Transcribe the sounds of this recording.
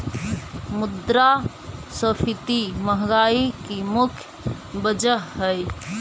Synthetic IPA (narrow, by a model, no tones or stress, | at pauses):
mud̪ɾa | səpʰit̪iməɦɡaikimʊkʰj | bəd͡ʒəɦːəj